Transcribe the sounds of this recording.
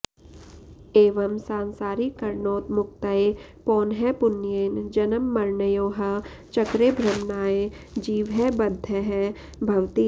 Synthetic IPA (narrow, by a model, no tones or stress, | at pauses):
eːʋɐmsaːnsaːɾikɐɾɳoːt̪mʊk̚t̪əepɔːnɦɛpʊnːjeːnd͡ʒɐnəmːɐɾnəjõːɦə | t͡ʃɐkɾebʱɾɐmnaːe | d͡ʒiːʋɦɛbɐd̪ʱəɦɛ | bʱɐʋt̪iː